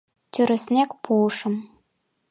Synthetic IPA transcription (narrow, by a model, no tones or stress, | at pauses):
t̪ʲyɾɘ̆sʲnʲækpʰuɤʃɤ̆m